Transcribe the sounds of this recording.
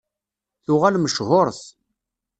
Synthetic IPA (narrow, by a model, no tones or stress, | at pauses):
θʊʁalməʃɦʊɾˤθ